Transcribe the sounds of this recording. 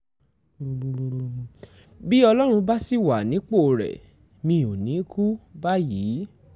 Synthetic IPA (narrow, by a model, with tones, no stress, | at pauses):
bi˦ɔ˧lɔ˦ɾ̃ũ˧ba˦si˦˨wa˨nĩ˨˦k͡po˦˨ɾɛ̰˨ | mĩ˧˨o˨nĩ˨˦kʰu˦ba˦jiː˨˦